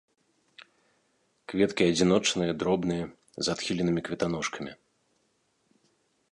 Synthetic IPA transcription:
kvʲɛt̪kʲiɐd͡zʲin̪ɔt͡ʂnɨjɐd̪ɾɔbnɨjɐ | zat̪xʲilʲɛnɨmʲikvʲɛt̪anɔʂkʰɐmʲi

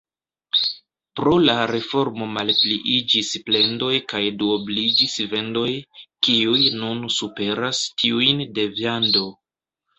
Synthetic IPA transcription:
pɾo̞laɾe̞fo̞ɾmo̞malpliʔid͡ʒisple̞ndo̞jkajduoblid͡ʒisve̞ndo̞jkiujnunsupe̞ɾastʰiujnde̞vjando̞

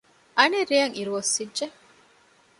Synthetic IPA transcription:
ʔɐneɾːijɐŋiɾuʋosːidːʒe

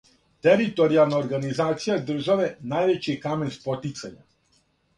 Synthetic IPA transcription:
t̪ɛɾit̪ɔɾialˠnaɔɾɡanizat̪sijad̪r̩ʒavɛnajʋɛt͡ʃikamɛnspɔt̪it̪saɲa̰

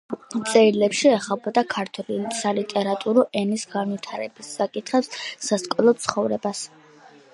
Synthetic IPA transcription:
t̪sʼɛɾilɛpʃiɛχabɔd̪akʰaɾt̪ʰwɛlisalit̪ʼɛɾat̪ʼuɾɔʔɛnisɡanwit̪ʰaɾɛbisːakʼit̪ʰχɛpssaskʼɔlˠɔt̪sʰχɔvɾɛbas

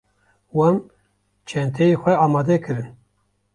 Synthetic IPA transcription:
wam | t͡ʃʰɛnt̪ʰɛjexʷɛɑːmɑːd̪ɛkʰɨɾɨn

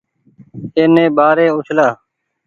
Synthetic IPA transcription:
eːnẽːbaːɾeːʊt͡ʃʰlaː

